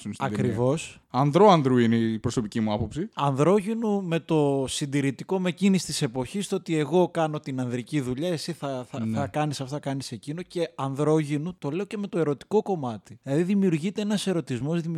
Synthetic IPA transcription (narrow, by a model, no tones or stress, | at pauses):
sɐkɾɾivo̞s | ɐnðɾoɐnd̪ɾuinepɾo̞so̞picimuɐpo̞psiɐnðɾo̞ʝinume̞t̪o̞sind̪iɾit̪iko̞me̞cinisi̥t̪ise̞po̞çist̪oot̪ie̞ɣo̞kɐno̞t̪inɐnðɾiciðuʎɐesiθɐɐnɐkɐnisɐft̪ɐkɐnise̞cinoce̞ɐnðɾo̞ʝinut̪o̞le̞o̞ce̞me̞t̪o̞e̞ɾo̞t̪i̥ko̞ko̞mɐt̪ilɐðiðimiuɾʝit̪e̞enɐse̞ɾo̞t̪izmo̞zðim